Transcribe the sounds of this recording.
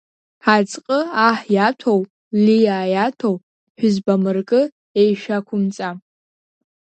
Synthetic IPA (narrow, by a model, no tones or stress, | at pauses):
at͡sʼqʼəaħjatʷʰow | lijajatʰow | ħʷᶣʊzbamɨrkʼɨ | ejʃᶣakʷʰʊmt͡sʼa